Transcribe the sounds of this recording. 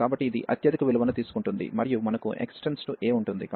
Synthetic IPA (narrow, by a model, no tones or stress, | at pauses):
kaːbɐʈːiːd̪ḭʔɐ̰t̪jɐd̪ikɐʋiluʋɐnɐt̪iːsu̥kuɳʈund̪ḭmɐɾijumɐnɐkuʔḛksʈensʈuʔeːmuɳʈund̪ikː